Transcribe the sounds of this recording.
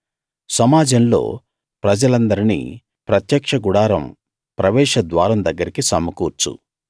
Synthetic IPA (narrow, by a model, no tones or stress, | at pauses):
sɐmaːd͡ʒɐmlo̞̰ː | pɾɐd͡ʒɐlɐnd̪ɐɾinḭː | pɾɐt̪jɐkʂɐɡuɽaːɾɐ̰m | pɾɐʋɛːʂɐd̪ʋaːɾɐmd̪ɐɡːɐɾikisɐmɐkuːɾt͡ʃṵ